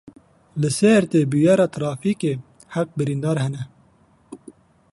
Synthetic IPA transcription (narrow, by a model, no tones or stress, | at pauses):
lɨsɛɾt̪eːbijɑːɾɑːt̪ʰɾɑːfiːkeː | haq̚bɨɾiːnd̪ɑːɾhɛnɛ